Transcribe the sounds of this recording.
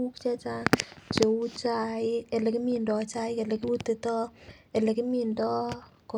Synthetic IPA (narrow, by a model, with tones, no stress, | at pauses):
u˦kt͡ʃe˦t͡ʃa˦ŋt͡ʃe˨u˦t͡ʃa˦ɪe˨le˨ki˦mi˨ndɔ˨t͡ʃa˦ɪ˦ke˨le˨ki˦u˦te˨tɔ˦ | e˨le˨ki˦mi˦˨ndɔ˦ | ko˨